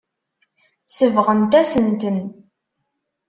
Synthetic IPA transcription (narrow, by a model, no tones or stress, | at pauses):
səvʁənt̪æsənt̪ən